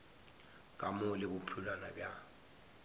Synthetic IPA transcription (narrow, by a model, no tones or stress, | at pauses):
kʼamʊlɪbʊpʰulwanabja